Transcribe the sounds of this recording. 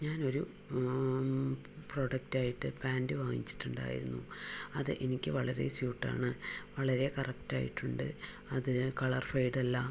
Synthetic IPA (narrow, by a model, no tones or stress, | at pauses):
ɲaːno̞ɾu | pro̞ːɽɐk̚taːjiʈːɨpaːndɨʋaːŋḭt͡ɕːi̥ʈːuɳɖa̰ːjḭɾunːuɐðɨʔenikʲːɨʋɐɭɐɾe̞̰sjuːʈːa̰ːɳɨʋɐɭɐɾe̞kɐrɐkta̰ːjḭʈːuɳɖɨ̰ | ɐðɨkɐɭɐrfɐjɽɐlːɐ